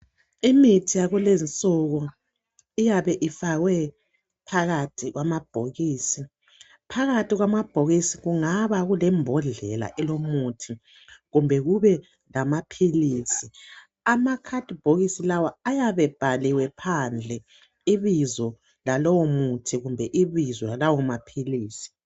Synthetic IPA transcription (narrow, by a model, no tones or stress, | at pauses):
imitʰijaɣulent͡sʼuɣɔ | ijaβɛʔifaɣwɛ | pʰaɣatʰiɣwamab̥ʱoɣiːsi | pʰaɣatʰiɣwamab̥ʱoɣisiɣuŋaβaɣulɛmbʱɔɮɛla̰ʔɛlomutʰi | ɣumbʱɛɣuβɛ | lamapʰiliːsi | amakʰadʱʼib̥ʱoɣisilawaajaβɛb̥ʱaliwɛpʰand͡ɮʱɛ | iβizɔ | lalowomutʰiɣumbʱɛʔiβizɔlalawɔamapʰiliːsi̥